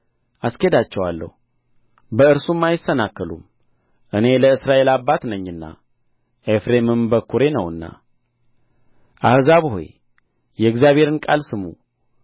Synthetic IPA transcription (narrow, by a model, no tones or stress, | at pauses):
ʔaskʰed̪at͡ʃːɛwalːə̰hu | bəɨɾsumːajɪsənakːəlṵm | ʔɨne̞ləɨsɾaʔe̞labːat̪nəɲːɨnːa̰ | ʔefɾe̞mɨmbəkʰːuɾe̞nəwɨnːa̰ | ʔahzaβho̰j | jɛɨɡzjaβhe̞ɾɨnkʼalsɨmu